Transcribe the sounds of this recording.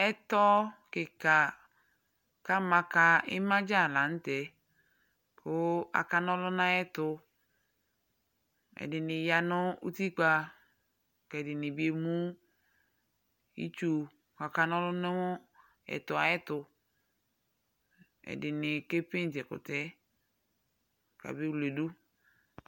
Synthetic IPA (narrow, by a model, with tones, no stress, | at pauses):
ɛ˦tɔ˦kɪ˨ka˨ | ka˦mã˨ka˦ɪ˦mã˦d͡ʒa˦˨lã˨n̩˦tɛ˨ | kʰʊ˦a̰˨ka˦nɔ˦lʊ˦nã˦ɛ˦tʊ˦ | ɛ̰˨dɪ˨nɪ̃˨ja˨nʊ˦ṵ˦ti˦k͡pa˦ | kɛ˨dɪ˨nɪ̃˨bi˨e˨mũ˦ | ḭ˦t͡ʃu˨ | ka˨ka˦nɔ˦lʊ˦nʊ˦wʊ˦ | ɛ̰˨tʊ˨a̰˨ɛ˦tʊ˨ | ɛ̰˨dɪ˨nɪ˨ke˦pɪ˦n˨tɛ˨kʊ̰˨tɛ˦ | ka̰˨bɪ˦wle˨du˦